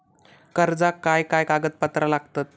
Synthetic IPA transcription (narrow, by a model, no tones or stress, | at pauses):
kəɾd͡zakajkajkaɡət̪̚pət̪ɾəlaɡt̪at̪̚